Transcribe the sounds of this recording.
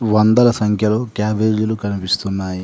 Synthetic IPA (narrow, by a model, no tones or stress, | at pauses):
ʋɐnd̪ɐlɐsɐŋkʰjɐloːkjaːbeɾjulukɐnipist̪unːaːji